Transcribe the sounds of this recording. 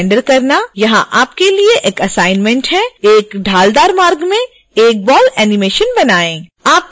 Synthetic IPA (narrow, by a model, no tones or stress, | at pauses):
ɳɖəɾkɐɾnajɐɦãʔaːpkelieʔeːkɐsaːɪnmɛ̃ɳʈɦɛeːkɖʱaːld̪aːɾmaːɾɡmẽ | eːk̚bɔːlɛːnɪmeːʃənbɐnaːẽːaːp̚